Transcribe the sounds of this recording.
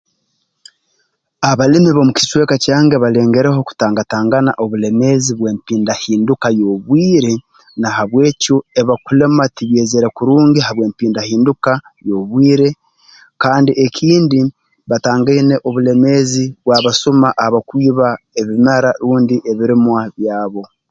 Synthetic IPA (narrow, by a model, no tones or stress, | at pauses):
aβalimiβo̞muki̥swe̞kacaːŋɡe̞βale̞ːŋɡe̞ɾe̞ho̞ku̥taːŋɡataːŋɡana̰ʔo̞βule̞me̞ziβwe̞ːmpiːndahiːndukajo̞βwiːɾe̞ | nahaβwe̞ːcueβakule̞matiβjeːzeɾe̞kuɾuːŋɡiɦaβweːmpiːndahiːnduka | jo̞βwiːɾe̞ | kaːndiʔekʰiːndi | βataːŋɡaine̞ʔo̞βule̞me̞ːziβwaːβasumaʔhaβakwiːβa | eβimaɾaɾuːndiʔe̞βiɾimwaβjaːβo̞